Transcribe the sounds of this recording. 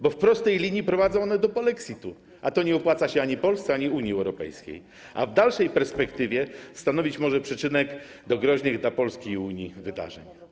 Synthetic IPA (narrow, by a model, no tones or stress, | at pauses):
bɔfpɾɔst̪ɛjlʲiɲjipɾɔvad̪zɔ̃ɔnɛd̪ɔpɔlɛksʲit̪u | at̪ɔɲɛɔpwat̪saɕɛaɲipɔlst̪sɛaɲiuɲiɛwɾɔpɛ̰jskʲḛj | ʔa̰vd̪alʂɛjpɛɾspɛkt̪ɘvʲjɛst̪anɔvʲit͡ɕmɔʐɛpʂɛt͡ʂɘnɛɡ | d̪ɔɡɾɔʑnɘɣd̪lapɔlskʲiuɲivɘd̪a̰ʐɛɲ